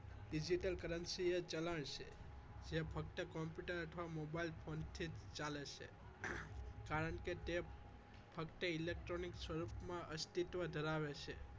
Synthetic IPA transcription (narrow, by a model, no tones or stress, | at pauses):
ɖid͡ʒiʈəlkəɾənsiet͡ʃələɳʃʰḛ | d͡ʒepʰək̚t̪əkɔmpjuʈəɾəʈʰʋamobailpʰont̪ʰid͡ʒt͡ʃalet͡ʃʰḛ | kaɾəɳket̪e | pʰəkt̪əilek̚ʈɾoniksʋəɾupmãʔəst̪it̪ʋəd̪ʱəɾaʋet͡ʃʰe